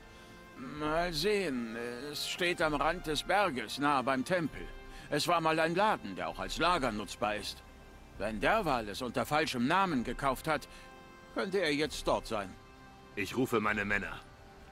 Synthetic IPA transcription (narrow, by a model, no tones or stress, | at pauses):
maːlzeːənɛɛsʃteːtamʁant̚d̥ɛsb̥ɛɐɡəsnaːəbaɪmtʰɛmpl̩ʔɛsv̥aːɐmaːlaɪnlaːdn̩deːɐaʊxalslaːɡɐnʊt͡sb̥aːɐɪst | vɛndɛːɐvaːlɛsʊntɐfalʃəmnaːmənɡəkʰaʊfthat | kʰœntəeːɐjɛt͡st̚d̥ɔɐtz̥aɪn | ʔɪçʁuːfəmaɪnəmɛnɐ̰